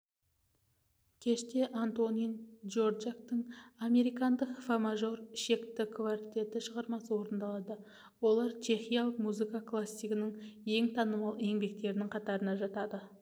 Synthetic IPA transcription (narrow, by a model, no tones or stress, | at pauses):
kʲʰe̞ʃt̪e̞ʔant̪o̞nijd͡ʒo̞ɾd͡ʒak̚t̪əɴame̞ɾijkɑnd̪əqfamaʒo̞rʃe̞kt̪ɪkʰvaɾt̪ʲe̞t̪ɪʃəʁɑɾmɑsəwo̞ɾənd̪ɑlˠɑd̪ə | wo̞lˠɑɾt͡ʃʰe̞χijɑlˠəqmuzɨkɑklˠasʲːijkənɪŋje̞ŋt̪ʰɑnəmɑlˠe̞ŋbe̞k̚t̪e̞ɾɪnɪŋqʰɑt̪ɑɾənɑʒɑt̪ɑd̪ə